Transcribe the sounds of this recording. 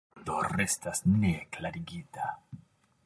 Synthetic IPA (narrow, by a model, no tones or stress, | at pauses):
d̪o̰re̞stasneklaɾiɡita